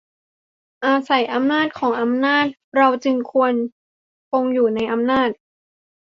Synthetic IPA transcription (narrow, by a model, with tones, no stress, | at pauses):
ʔaː˧sa˨˩˦jʔa˧mnaː˥˩t̪̚kʰɔː˩˦ŋʔa˧mnaː˥˩t̪̚ɾa˧wt͡ɕɯ˧ŋkʰu˧ən | ko˧ŋjuː˨˩na˧jʔa˧mnaː˥˩t̪̚